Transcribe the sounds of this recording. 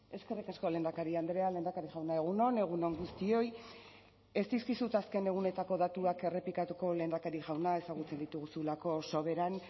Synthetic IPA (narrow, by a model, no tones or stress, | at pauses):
e̞ske̞rikasko̞le̞ːnd̪akaɾiand̪ɾe̞ale̞ːnd̪akaɾiɣawnae̞ɣ̞uno̞ne̞ɣ̞uno̞ŋɡust̪io̞j | e̞sd̪iskisut̪aske̞ne̞ɣ̞une̞t̪ako̞ðat̪uake̞re̞plikat̪uko̞le̞ːnd̪akaɾiʝawnae̞saɣ̞ut͡se̞nd̪it̪uɣusulako̞so̞βe̞ɾan